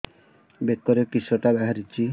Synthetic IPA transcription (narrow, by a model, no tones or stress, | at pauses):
bekːɔɾekɾisɔʈabaɦaɾit͡ʃi